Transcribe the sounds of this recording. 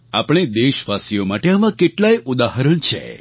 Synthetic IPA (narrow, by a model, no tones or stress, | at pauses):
apɽ̃ed̪eʃʋasijomaʈeəʋãkeʈlajud̪aɦəɾəɳt͡ʃʰḛ